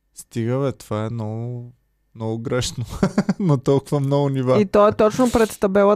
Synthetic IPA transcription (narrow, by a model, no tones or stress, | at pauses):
st̪iɡəvɛt̪ovaɛmnɔɡʊ | mnɔɡʊɡɾɛʃnonot̪ɔlˠkʊvɐmnɔɡʊnivait̪ɔɛt̪ɔt͡ʃnopɾɛt̪st̪ɐbɛlˠə